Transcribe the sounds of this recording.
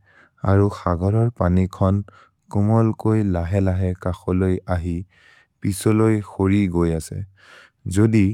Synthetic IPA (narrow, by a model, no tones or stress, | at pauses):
a̰ɹuxaɡɔɹɔɹpanikʰɔn | kumɔlkojlaɦɛlaɦɛkaxɔlojaɦi | pisɔlojxoɹiɡojasɛ̰ | zodi